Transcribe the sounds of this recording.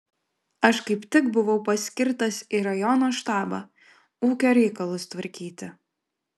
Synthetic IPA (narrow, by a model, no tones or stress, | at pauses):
ɐʃkɐɪpt̪ʲɪkbʊʋɐʊpɐsʲkʲɪɾt̪ɐsiɾɐjɔnoːʃt̪ɑːbɑ | uːkʲoːɾʲɛɪkɐlˠʊst̪ʋɐɾʲkʲiːt̪ʲɪ